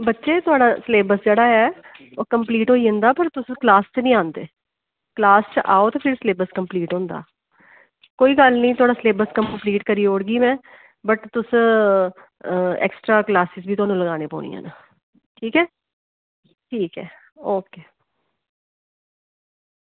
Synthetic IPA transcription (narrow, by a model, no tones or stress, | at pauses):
bətːʃeːt̪ʊaːɽaːsleːbəsd͡ʒeːɽaːɛː | oːkəmpliːʈɦoːiːõːnd̪aːpəɾt̪ʊsklaːst͡ʃnəĩːãːnd̪eː | klaːst͡ʃʔaːoːt̪aːpʰɪɾsleːbəɾskəmpliːʈɦõːnd̪a̰ː | koːiːɡəlnəĩːt̪ʊaːɽaːsleːbəskəmmpliːʈkəɾiːoːɽɡiːmɛ̃ː | bəʈt̪ʊs | ɛ̰ːksʈɾaːklaːsɪsbʱiːt̪ʊaːnũːləɡaːneːpo̰ːnḭːã̰ːna | ʈʰiːkɛː | ʈʰiːkɛː | oːkeː